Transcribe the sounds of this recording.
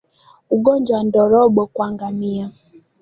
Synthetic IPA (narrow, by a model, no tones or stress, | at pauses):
uɡoɲd͡ʒwan̩dɔɾɔɡ͡bɔkwaŋɡamija